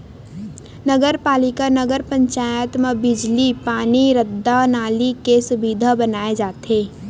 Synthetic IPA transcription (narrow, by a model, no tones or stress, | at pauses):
nəɡəɾpaːlɪkanəɡəɾpə̃ɲt͡ʃaːjət̪mẽbɪd͡ʒlipaːniɾəd̪ːanaːlikesʊbid̪ʱabənaːed͡ʒaːt̪eː